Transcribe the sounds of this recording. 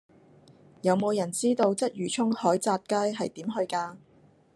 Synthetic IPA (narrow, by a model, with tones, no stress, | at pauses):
jɐ˨˧wmo˨˧wjɐ˨˩nt͡siː˥t̪o˧wt͡sɐ˥t̚jyː˨˩t͡ʃʰʊ˥ŋhɔː˨˥jt͡saː˧t̚kaː˥jɦɐ˨jt̪iː˨˥mɦɵ˧ɥkaː˧